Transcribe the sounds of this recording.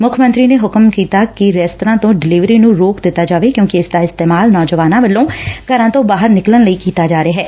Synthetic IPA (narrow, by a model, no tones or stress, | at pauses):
mʊkʰəmə̃nt̪ɾiːneːɦʊkəmkiːt̪aːkɪɾɛːst̪ɾãːt̪õːɖɪliːʋɾiːnũːɾoːkd̪ɪt̪ːaːd͡ʒaːʋeːkjõːkɪɪsd̪aːɪst̪eːmaːlnɔːd͡ʒəʋaːnãːʋəlːõːkəɾãːt̪õːbaːɦəɾnɪklənləiːkiːt̪aːd͡ʒaːɾeaːɦɛː